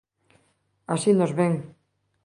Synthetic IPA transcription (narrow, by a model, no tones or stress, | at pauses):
asinozβeŋ